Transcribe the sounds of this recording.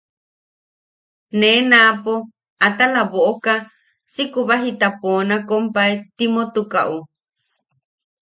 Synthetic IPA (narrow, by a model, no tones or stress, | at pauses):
nẽnapo | at̪alaβoʔoka | sikuβaɦit̪aponakompaet̪imot̪uka̰ʔu